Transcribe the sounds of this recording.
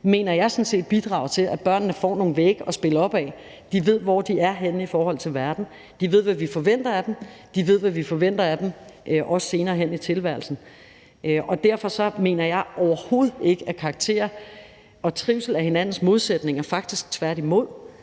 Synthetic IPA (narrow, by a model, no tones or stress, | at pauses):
me̝̰ːnɐjɑ̈ɪsɒ̽nse̝̰ːd̥̚b̥id̥ʁɑ̰̈ʊɐt͡sʰe̝læb̥ɶɐ̰nːəfɒ̰ːno̝ːŋ̩ʋeɡ̥əɒ̽sb̥e̝lɒ̽b̥ɛ | d̥iʋe̝ð̞̰ˠʋɒd̥iæɐɦen̰ifɒːhɒ̽l̰t͡sʰe̝lʋæɐd̥n̩ | d̥iʋe̝ð̰ˠʋæʋifɒ̽ʋen̰d̥ɐæd̥emd̥iʋe̝ð̰ˠʋæʋifɒ̽ʋen̰d̥ɐæd̥emʔʔɒ̽sse̝ːnɐːɦenit͡sʰe̝lʋæɐ̰l̩sn̩ | ɒ̽d̥æɐ̰fɒ̽sɒ̽me̝̰ːnɐjɑ̈ɪɒʊɐho̝ːð̞̩ˠe̝ɡ̥əækʰɑ̈ɡ̥̚t͡sʰe̝̰ːɐ | ɒ̽t͡sʰʁiʊsl̩æhe̝næn̰n̩smo̝ð̞ˠsed̥ne̝ŋɐfɑ̈ɡ̥̚d̥isɡ̥̚t͡sʰʋæɐ̰ɾ̥imo̝ð̰ˠ